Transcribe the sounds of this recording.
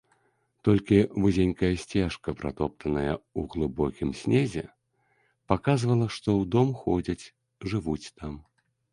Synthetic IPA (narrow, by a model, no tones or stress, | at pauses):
t̪ɔlʲkʲivɨzʲenʲkɐjɐsʲt͡sʲɛʂkɐpɾa̰t̪ɔpt̪ʰɐnɐjɐuɣlˠɨbɔkʲimsʲnʲɛzʲɛ | pakazvɐlˠɐʂt̪ɔwd̪ɔmxɔd͡zʲɐt͡sʲ | ʐɨvut͡sʲt̪am